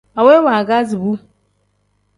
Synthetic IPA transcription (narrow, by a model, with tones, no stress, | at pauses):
a˨we˦wa˨ɡa˦zi˨bu˦